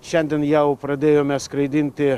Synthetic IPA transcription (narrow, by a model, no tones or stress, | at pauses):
ʃʲɛnʲd̪ʲɛnjɛʊpɾɐd̪ʲeːjoːmʲɛskɾɐɪd̪ʲɪnʲt̪ʲɪ